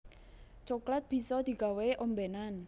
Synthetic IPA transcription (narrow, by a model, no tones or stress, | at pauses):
t͡ʃoklat̪̚b̥i̤sɔd̪̥i̤ɡ̥a̤weʔombenan